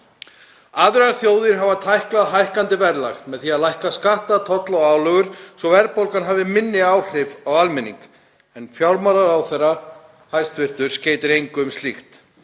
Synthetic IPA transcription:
aðɾʏaɾθjoːwðɪɾ̥ɦavat̪ʰajhklaðɦajhkant̪ɪvɛɾla̰ɣmɛðθiaðlajhkaskaht̪at̪ʰɔt̪laɔwaːwlœɣʏɾ̥sɔvɛɾpowlkanɦaːvɪmɪnːɪaːwr̥ɪvawalmɪnːḭŋk | ɛnfjawɾmaɾaɾawθɛrːa | hajst̪vɪɾ̥t̪ʏɾ̥sceːjt̪ɪɾejŋkʏmst̪lixt̪

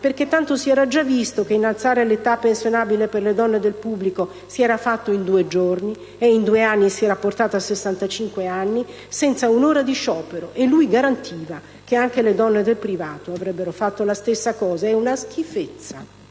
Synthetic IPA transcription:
perk̟et̪ːant̪osiɛːɾad͡ʒavːist̪okeinːalt̪saːɾelet̪apːensjonaːbileperled̪ɔnːed̪elpubːliko | siɛːɾafat̪ːoind̪uːed͡ʒorni | eind̪ueanːisiɛːɾaport̪aːt̪oasesːant̪at͡ʃiŋkweanːi | sɛnt̪saunoːɾad̪iʃɔːpeɾoʔelːujɡaɾant̪ʰiːva | keaŋkeled̪ɔnːed̪elpɾivaːt̪oavɾɛbːeɾofat̪ːolast̪esːakɔːzaɛunask̟ifet̪sːa̰

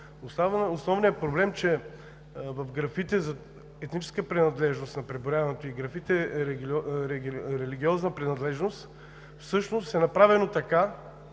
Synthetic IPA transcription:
ost̪avosnɔvnijəpɾoblɛmt͡ʃɛ | vɐfɡɾɐfit̪ɛzɐ | ɛt̪nit͡ʃɛ̥skəpɾinɐd̪lɛʒnosnɐpɾɛboɾʲjavɐnɛt̪oiɡɾɐfit̪ɛ | ɾɛɾɛliɡʲiɔznəpɾinɐd̪lɛʒnost̪ | fsɤʃnost̪ɛnɐpɾavɛnot̪ɐka

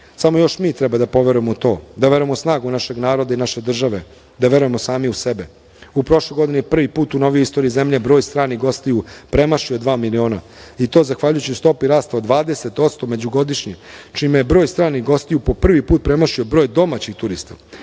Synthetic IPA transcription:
samo̞jo̞ʃmiːt̪ɾɛbad̪apo̞ʋe̞ɾujemot̪o̞ːd̪aʋe̞ɾuemosnaːɡunaʃe̞ɡnaːɾo̞d̪ainaʃe̞d̪r̩ʒaʋe̞ | d̪aʋe̞ɾuje̞mosaːmiusebe | upɾo̞ʃlejɡo̞d̪inepr̩ʋipuːt̪unoʋijoist̪oːɾiizemʎebɾo̞ːjst̪ɾaːniɡo̞st̪ijupɾe̞maʃiod̪ʋaːmilio̞ːna̰ | it̪o̞ːzaxʋaʎujut͡ɕiust̪o̞piɾaːst̪aod̪ʋaːd̪e̞se̞t̪o̞t̪st̪ome̞d͡ʑuɡo̞d̪iʃɲit͡ʃimejebɾoːjst̪ɾaːniɡo̞st̪ijupo̞pr̩ʋipuːt̪̚pɾemaʃio̞bɾoːjd̪o̞mat͡ɕixt̪uɾist̪a

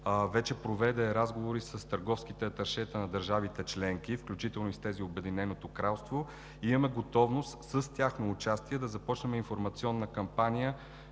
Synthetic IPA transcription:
vɛt͡ʃɛpɾovɛd̪ɛɾazɡovoɾisəst̪əɾɡɔfskit̪ɛt̪ɐɾʃɛt̪ənɐd̪ɐɾʒavit̪ɛt͡ʃlɛŋkifklʲut͡ʃit̪ɛlˠnoist̪ɛziobɛd̪inɛnot̪okɾalˠst̪vo | imɐmɛɡot̪ɔvnost̪səst̪ʲaxnoːt͡ʃast̪iɛd̪ɐzɐpɔt͡ʃnəmɛinfoɾmɐt̪siɔnːəkɐmpanijə

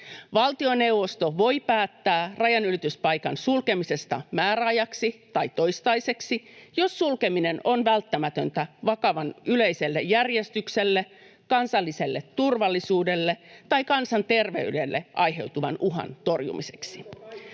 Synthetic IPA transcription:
ʋɑlt̪io̞newʋo̞st̪o̞ʋo̞jpæːt̪ːæːrɑjɑnylit̪yspɑjkɑnsulke̞mise̞st̪ɑ̰mæːɾæɑjɑksit̪ɑjt̪o̞jst̪ɑjse̞ksijo̞sːulke̞mine̞no̞nʋælt̪ːæmæt̪ønt̪æʋɑkɑʋɑnylejse̞lːejːærjest̪ykselːe | kɑnsɑlːise̞lːet̪ːurʋɑlːisuːde̞lːet̪ɑjkɑnsɑnt̪e̞rʋe̞̰ydelːeʔɑjɦe̞̰wt̪uʋɑnuɦɑ̰nt̪o̞rjṵmise̞̥ksi

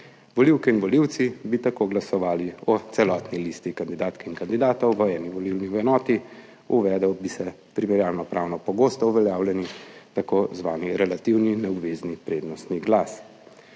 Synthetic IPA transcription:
ʋɔliwkɛinʋɔliwt̪sibit̪akoːɡlasɔʋaːliɔt̪sɛlɔːt̪nilist̪ikand̪id̪aːt̪kɛinkand̪id̪aːt̪ɔwʋəɛːniʋɔlilniwɛnɔːt̪i | uʋɛd̪ɛwbisɛ | pɾimɛɾjaːlnɔpɾʔaːwnɔpɔɡoːst̪ɔuʋɛljaːwljɛnit̪akoːzʋaːniɾɛlat̪iwninɛɔbʋeːznipɾeːd̪nɔst̪niɡlaːs

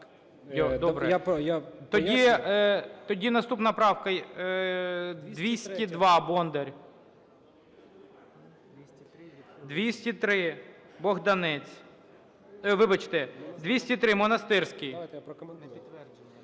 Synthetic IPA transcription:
ɔd̪ɔbɾɛjt̪ɔdʲi | t̪ɔdʲinɐst̪upnɐpɾɑwkɐ | d̪ʋʲisʲtʲid̪ʋɑbɔnd̪eɾʲ | d̪ʋʲisʲtʲit̪ɾɪ | bɔɣd̪ɐnɛt͡sʲ | ʋɪbɐt͡ʃt̪ɛd̪ʋʲisʲtʲit̪ɾɪmɔnɐst̪ɪrsʲkɪj̪ | ɛ

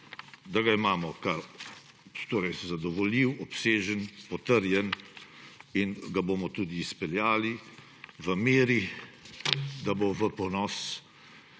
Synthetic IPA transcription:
d̪aɡaimaːmɔkaɾ | t̪oːɾɛjzad̪ɔʋɔliwɔpseːʒənpɔt̪əɾjɛn | inɡaboːmɔt̪uːd̪iːspɛljaːli | ʋəmeːɾi | d̪aboʋəpɔnɔːs

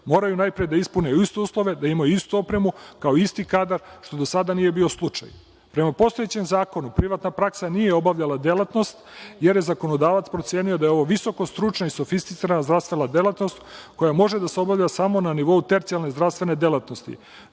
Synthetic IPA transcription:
mo̞ːɾajunajpɾijed̪aispuneist̪euːslˠo̞ʋe̞d̪aimajuist̪uopɾe̞mukaoist̪ikaːd̪aɾʃt̪o̞d̪o̞sad̪anije̞bio̞slˠut͡ʃa̰j | pɾe̞mapo̞st̪o̞jet͡ɕemzaːko̞nupɾiʋat̪napɾaksanijeo̞baʋʎʲalad̪elat̪no̞st̪je̞ɾje̞zako̞no̞d̪aːʋat̪spɾo̞t̪sje̞ːniod̪ajeo̞ʋoʋiso̞ko̞st̪ɾut͡ʃnaisofist̪i̥t̪siɾanazd̪ɾafst̪ʋenad̪e̞lat̪no̞st̪ko̞jamo̞ʒed̪aseo̞bavʎʲasamo̞naniʋo̞ut̪e̞ɾt̪sialˠne̞zd̪ɾast̪ʋe̞ne̞d̪elˠat̪no̞st̪ḭ

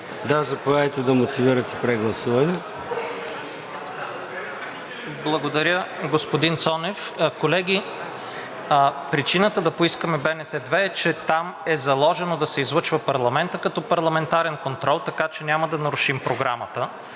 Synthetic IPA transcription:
d̪azɐpojat̪ɛd̪ɐmot̪iviɾɐt̪ɛpɾɛɡlˠɐsuvɐnɛ | blˠɐɡod̪ɐɾʲəɡospod̪int̪sɔnɛf | kolɛɡʲi | pɾit͡ʃinət̪əd̪ɐpoiskəmɛbɛnɛt̪ɛd̪vɛːt͡ʃɛt̪amɛzɐlˠɔʒɛnod̪ɐsɛizlˠɤt͡ʃvəpɐɾlˠɐmɛnt̪əkɐt̪ɔpɐɾlˠɐmɛnt̪aɾɛnkont̪ɾɔlˠt̪ɐkat͡ʃɛnʲaməd̪ɐnɐɾuʃimpɾoɡɾamət̪ə

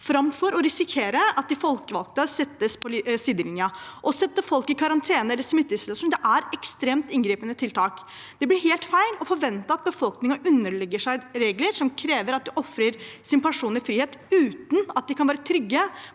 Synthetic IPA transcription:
fɾɑmfɔɾɔɾɪsɪkʰeːɾəɑt̪̚d̪ɪfɔlkəʋɑ̰lk̚t̪əsɛt̪ːəspʰɔlsiːd̪əlɪnjɑʔɔsɛt̪ːəfɔlkɪkʰɑɾɑnt̪ʰeːnəɛlːəʂmɪt̪ːəslɑsuːnd̪ɛʔæɾɛkst̪ɾeːmt̪ɪŋɡɾiːpənət̪ʰɪlt̪ʰɑːk | d̪̥ɛblɪɾheːlt̪fæɪlɔfɔɾʋɛnt̪əɑt̪̚bəfɔlknɪŋɑʔʉnːəɭɛɡːəʂæɪɾeːɡləɾʂɔmkʰɾeːʋəɾɑt̪̚d̪ɪʔɔfɾəɾsɪnpʰæʂuːnɪfɾiːheːt̪ʉːt̪nɑt̪̚d̪ɪkʰɑnʋæːɾət̪ʰɾʏɡːə

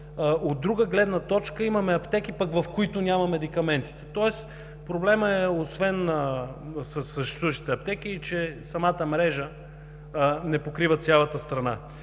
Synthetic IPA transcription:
od̪ːɾuɡəɡlɛd̪nɐt̪ɔt͡ʃkəimɐmɛɐpt̪ɛk̟ipɐkvɐfkoit̪ʊnʲamɐmɛd̪ikɐmɛnt̪i̥t̪ɛ̥t̪ɔɛs | pɾoblɛməɛosvɛnəsəsːəʃt̪ɛ̥suvəʃt̪i̥t̪ɛɐp̚t̪ɛkiːt͡ʃɛsɐmat̪əmɾɛʒə | nɛpokɾivət̪sʲjalˠət̪əst̪ɾɐna

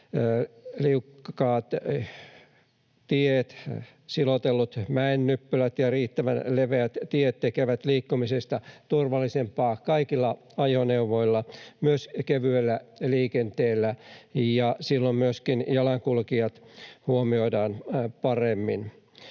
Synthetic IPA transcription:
liukːɑːt̪ | t̪iet̪ | silot̪elːut̪mæenːypːylæt̪jɑriːt̪ːæʋæ̰nleʋeæt̪t̪iet̪t̪ekeʋæt̪liːkːumisest̪ɑt̪urʋɑlːisempɑːkɑikilːɑ | ɑjoneuʋoilːɑmyøskeʋyelːæliːkent̪eːlːæjɑsilːommyøskinjɑlɑŋkulkiɑt̪huomioidɑːnpɑremːin

